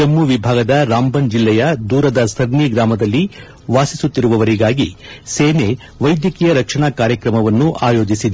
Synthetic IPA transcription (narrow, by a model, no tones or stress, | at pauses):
ɐmːuʋibʱaːɡɐd̪ɐɾaːmbɐnd͡ʒilːɛjɐd̪uːɾɐd̪ɐsɐɾniɡɾaːmɐd̪ɐlːi | ʋaːsisut̪ːiɾuʋɐʋɐɾiɡaːɡiseːne | ʋɐjd̪jɐkijɐɾɐkʂɐɳakaːɾjɐkɾɐmɐʋɐnːuʔaːjo̞ːd͡ʒisid̪e